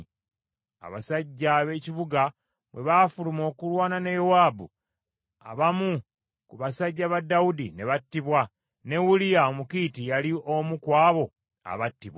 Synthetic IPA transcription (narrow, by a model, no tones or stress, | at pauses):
a̰βa̰saɟːaβe̞ːciβuɡa | βwʔe̞βafulumo̞ːkulwaːnane̞jowaːbu | a̰βamu | kuβasaɟːaβadːawudine̞βatːiβwa | ne̞wulijaomukitijalio̞mukwaːβo̞ | a̰βatːiβwa